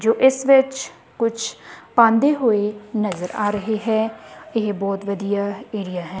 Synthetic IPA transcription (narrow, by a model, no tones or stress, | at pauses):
d͡ʒoːʔɪsʋɪt͡ʃ | kʊt͡ʃʰpãːnd̪eːɦʊenəzəɾʔaːɾəɦeɦɛːɪɦbɔːt̪ʋəd̪ijaːeːɾijaːɦɛ̃ː